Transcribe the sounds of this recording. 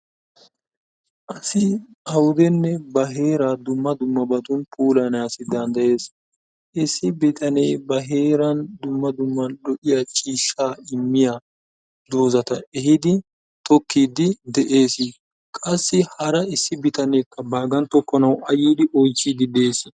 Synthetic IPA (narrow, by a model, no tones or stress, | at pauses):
ʔɐsɪ | ɐwʊd̪ɛnːɛbɐɦe̞ːɾaːd̪ʊmːɐd̪ʊmːɐbɐt̪ʊnpʰuːlɐnaːsɪd̪ɐnd̪ɐje̞ːs | ʔɪsːɪbɪt̪ʰɐneːbɐɦe̞ːɾɐnd̪ʊmːɐd̪ʊmːɐnɗɔʔɪjat͡ʃʼiːʃːaːɪmːɪja | d̪oːzɐt̪ɐɛhɪd̪ɪ | t̪ɔkːiːd̪ɪd̪ɛʔe̞ːsɪ | kʼɐsːɪhɐɾɐɪsːɪbɪt̪ɐneːkːɐbaːɡɐnt̪ɔkːɔnɐwɐjiːd̪ɪʔɔjt͡ʃːiːd̪ɪd̪e̞ːs